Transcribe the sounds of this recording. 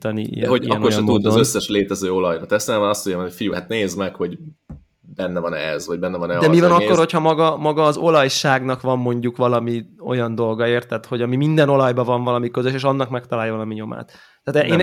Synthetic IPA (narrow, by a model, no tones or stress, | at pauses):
t̪ɒnḭḭj̰ɦoɒɛnkorʃɛmud̪ɒzøsːɛʃleːt̪ɛzøːo̞lɒjnɒt̪ɛst̪ɛlamɛnɒst̪ːoɲɟamɛnocfijuhat̪neːzmɛkho̞ɟ | bɛnːɛvɒnɛ̰zvɒɟ̚bɛnːɛvɒnɛd̪ɛmivɒnɒkːo̞ɾrho̞chɒmɒɡɒmɒɡɒːzo̞lɒjʃaːɡnɒkʋɒmːo̞ɲɟukʋvɒlɒmio̞̰jɒnd̪o̞lɡɒeːrt̪ːɛt̪ho̞ɟɒmimind̪ɛno̞lɒjbɒvɒɱvɒlɒmikø̞zøʃ̬eːʃɒnːɒkmɛkt̪ɒlaːjɒvɒlɒmiɲo̞ma̰ːt̪ː | aːt̪ʔeːn